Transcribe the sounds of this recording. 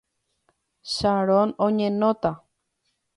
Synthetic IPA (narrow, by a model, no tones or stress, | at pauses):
ʃaɾonõɲẽnot̪a